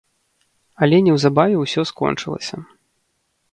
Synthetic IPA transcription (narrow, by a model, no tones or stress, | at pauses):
ɐlʲɛnʲɛwzabavʲɛwsʲɔskɔ̰nt͡ʂɨlˠɐ̰sʲɐ